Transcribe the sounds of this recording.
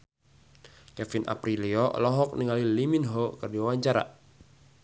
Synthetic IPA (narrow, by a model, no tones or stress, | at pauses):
kɛfinʔa̰pɾiliɔlɔɦɔk̚niŋaliliminɦokɨrdiawaɲt͡ʃaɾa̰